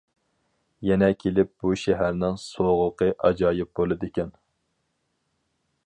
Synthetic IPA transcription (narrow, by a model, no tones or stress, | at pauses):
jɛnɛkʲʰelɪp̚b̥uʃɛɦæɾnɪŋsoʁʊqəʔɑd͡ʒɑːjɪp̚bolˠɨd̪ɨkʲɛn